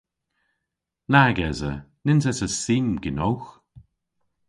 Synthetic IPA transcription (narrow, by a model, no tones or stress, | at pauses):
naɡɛzə̰nɪnsɛsəsiːmɡɪnowx